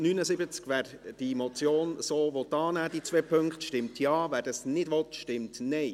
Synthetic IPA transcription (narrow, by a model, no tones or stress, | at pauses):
nyːnəzɪbət͡skvæːɾ | d̥imɔt͡sjoːnsoːvɔt̪ːɑːnæːd̥it͡svɛːpʰɵŋktʃtɪmtʰjɑːvæːɾdɑsnɪdʋɔtʃtɪmtnɛɪ